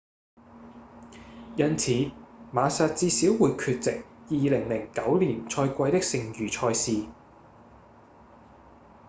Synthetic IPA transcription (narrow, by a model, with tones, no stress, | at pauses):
jɐ˥nt͡sʰiː˨˧˦maː˨˧saː˧t̚t͡siː˧siː˨˥wːuː˨˧jkʰyː˧t̚t͡sɪ˨k̚jiː˨lɪ˨˩ŋlɪ˨˩ŋkɐ˨˥wliː˨˩nt͡ʃʰɔː˧jkʷɐ˧jt̪ɪ˥k̚sɪ˨˩ŋjyː˨˩t͡ʃʰɔː˧jsiː˧